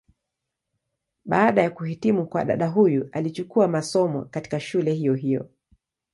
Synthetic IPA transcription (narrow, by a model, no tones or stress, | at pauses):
ɓaːɗajakuhitimukwaɗa̰ɗaɦujuʔalit͡ʃukuamasɔmɔ̰kati̥kaʃulɛɦijɔɦijɔ̰